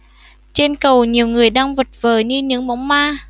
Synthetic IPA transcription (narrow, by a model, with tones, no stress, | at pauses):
t͡ɕe˧nkə˨˩wɲi˨˩əwŋɨ˨˩əjɗaː˧ŋvə˨˩t̚v̥əː˨˩ɲɨ˧ɲɨ̰˧˦˥ŋɓɔ˧˦wŋ͡mmaː˧